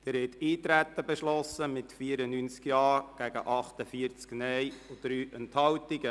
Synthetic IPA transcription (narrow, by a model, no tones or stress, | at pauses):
d̥̪ɛɾhɛtiːt̪ɾæt̪ːəbeʃlɔsːəmɪtfiəɾənyːnt͡skjɑːɾɡ̥æɡə̰ʔɑχt̪əfiəɾt͡sknɛjod̪̥ɾyːʔɛnthɑwtɪɡə